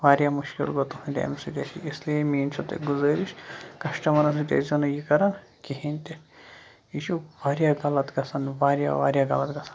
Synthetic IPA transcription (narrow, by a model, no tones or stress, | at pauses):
ʋaːɾjaːmuʃkḭlɡot̪uɦũnʲd̪ʲa̰ːmsid̪ʲɐt͡ʃʰḭisliemiːnt͡ʃʰut̪ḛɡuzɐːɾiʃkɐʃʈɐmɐɾɐsɨd̪ʲɐ̰zɐnɐjikɐɾɐn | kiɦinʲt̪e | iʃʰuʋaːɾjaɡɐlɐt̪ɡɐsɐnʋaːɾʲja̰ʋa̰ːɾʲjaːɡɐlɐt̪ɡɐsɐ̥nn